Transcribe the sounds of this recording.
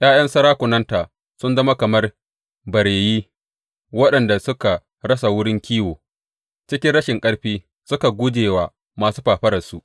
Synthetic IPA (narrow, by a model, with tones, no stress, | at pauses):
j̰aː˦jɐ˦nsɐ˦ɾaː˦kʷʊ˨nɐ˦ntaː˨ | sʊ˦nzɐ˦ma˦kɐ˨mɐ˦r | bɐ˨ɽeː˨jiː˦ | wɐ˦ɗɐ˨nda˨sʊ˦ka˨ | ɽɐ˦sa˨wʊ˦ɽɪ˦ŋkʲiː˦woː˨ | t͡ʃɪ˦kʲɪ˦nɽɐ˦ʃɪ˨ŋkʼɐ˦ɽɸiː˦ | sʊ˦ka˨ɡʷʊ˦d͡ʒeː˨waː˨ | maː˨suː˦ɸaː˨ɸɐ˦ɽɐ˨su˦ʔ